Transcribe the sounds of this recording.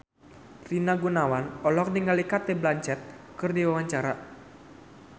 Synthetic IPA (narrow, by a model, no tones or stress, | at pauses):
rinaɡunawanɔlɔk̚niŋalikat̪ɛblaɲt͡ʃɛt̪̚kɨrdiwawaɲt͡ʃaɾa